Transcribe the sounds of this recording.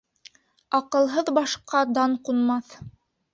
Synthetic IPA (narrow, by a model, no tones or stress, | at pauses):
ɑqɤ̆lˠɦɤðbɑʃqɑd̪ɑɴqunmɑθ